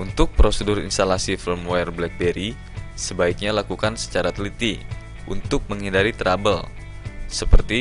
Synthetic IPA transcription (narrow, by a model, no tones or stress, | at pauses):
unt̪ʊk̚pɾosədʊrḭnst̪alasifilmɛrblɛk̚beɾi | səbaik̚ɲalakukansə̥t͡ʃaɾat̪lit̪i | unt̪ʊk̚məŋɦindaɾit̪ɾabəl | səpərt̪i